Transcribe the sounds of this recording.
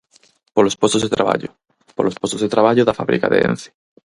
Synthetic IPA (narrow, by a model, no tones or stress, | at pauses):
polospwost̪ozðet̪ɾaβa̰ʎo | polospwost̪ozðet̪ɾaβaʎoðafaβɾḭka̰ðḛḛ̃n̟θi̥